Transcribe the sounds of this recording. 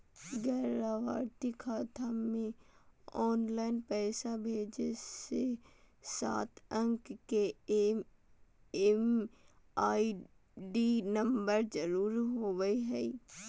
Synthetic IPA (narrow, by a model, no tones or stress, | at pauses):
ɡɛːɾaʋaːɾt̪ikʰaːt̪ʰamẽɔːnlaːɪnpɛːsabʱeːd͡ʒese | sa̰ːt̪ʰə̃ŋkke | em | aːi | ɖinə̃mbəɾd͡ʒəɾuːɾɦoːɡəiɦɛi